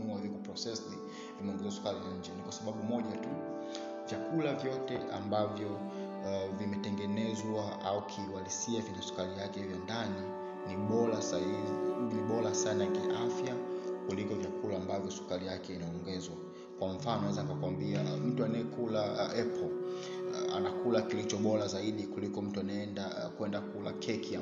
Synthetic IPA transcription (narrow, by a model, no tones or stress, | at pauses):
uawɛzikupɾɔsɛsni | imɛɔŋɡɛzwasu̥kaɾilaɲ̩d͡ʒɛnikwasaɓaɓumɔʄatu | vjakulavjɔtɛʔa̰mbavjɔ | vimɛtɛŋɡɛnɛzwa | aukʰiwalisiavinɛsu̥kaɾijakɛivjɔndani | niɓɔlasaiiiviɓɔlasanajakiʔafjakulikɔvjakulaːmbavjɔsu̥kalijakɛinaɔŋɡɛzwa | kwaɱ̩fanɔnaɛzanikakwambiam̩tuanaɛkulaɛpʰɔ | a̰nakulakilit͡ʃɔɓɔlazaiɗikulikɔm̩tuanaɛnda | kwɛndakulakʰɛkia